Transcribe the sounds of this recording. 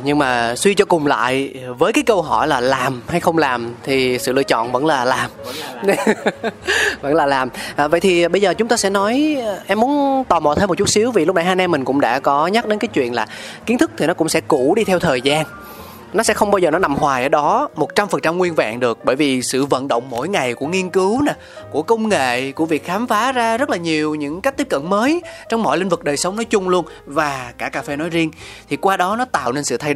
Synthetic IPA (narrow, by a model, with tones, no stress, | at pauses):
ɲɨ˧ŋmaː˨˩swi˧t͡ɕɔ˧kʊ˨˩ŋ͡mla̰ː˧˨jvəː˨˦jkaː˨˦jkə˧wɦɔ˧˩jlaː˨˩laː˨˩mha˧jxə˧wŋ͡mlaː˨˩mt̪ʰi˨˩sɨ̰˧˨lɨ̰˧˩ət͡ɕɔ̰˧˨nvə̰˧˥nlaː˨˩laː˨˩m | və̰˧˥nlaː˨˩laː˨˩mʔːvə̰˧˨jt̪ʰi˨˩˨ɓə˧jzəː˨˩t͡ɕʊ˨˦ŋ͡mt̪aː˧sɛ̰˧˥nɔ˨˦jʔɛ˧mːu˨˦ənt̪aː˨˩mɔ̰˨˧˨t̪ʰə˨˦mo˨˩t̚t͡ɕu˦˥t̚si˨˦wvi˨˩lʊ˦˥k͡p̚na˨˧˦haː˧nʔɛ˧mï˨˩ŋ̟kʊ̰˧˥ŋ͡mɗa̰ː˧˥kɔ˨˦ɲa˦˥t̚ɗe˨˦nkaː˨˦jt͡ɕwḭ˧˨ənlaː˨˩ki˨˦ənt̪ʰɨ˦˥k̚t̪ʰi˨˩nɔ˨˦kʊ̰˧˥ŋ͡msɛ̰˧˥ku˧˩ɗi˧t̪ʰɛ˧wt̪ʰəː˨˩jzaː˧n | nɔ˨˦sɛ̰˧˥xə˧wŋ͡mɓaː˧wzəː˨˩nɔ˨˦na˨˩mhwaː˨˩ʔəː˧˩ɗɔ˨˦mo˨˩t̚t͡ɕa˧mfə˨˩nt͡ɕa˧mŋwi˧ənva̰ː˧˨nɗɨ˨˩ək̚ɓəː˧˩jvi˨˩sɨ̰˧˨və̰˧˨nɗə̰˧˨wŋ͡mmo̰˧˥˨jŋa˨˩jku˧˩əŋi˧ənkɨ˨˦wnaː˨˩ku˧˩əkə˧wŋ͡mŋḛ˧˨ku˧˩əvi˨˩ək̚xaː˨˦mfaː˨˦zaː˧zə˦˥t̚laː˨˩ɲi˨˩əwɲɨ̰˧˥ŋka˦˥k̚t̪i˦˥p̚kə̰˧˨nməː˨˦jt͡ɕɔ˧wŋ͡mmɔ̰˧˨jlï˧ŋ̟vɨ˨˩k̚ɗəː˨˩jsə˨˦ŋ͡mnɔ˨˦jt͡ɕʊ˧ŋ͡mlu˧ən | vaː˨˩kaː˧˩kaː˧fe˧nɔ˨˦jzi˧ənt̪ʰi˨˩kwaː˧ɗɔ˨˦nɔ˨˦t̪a̰ː˧˨wne˧nsɨ̰˧˨t̪ʰa˧j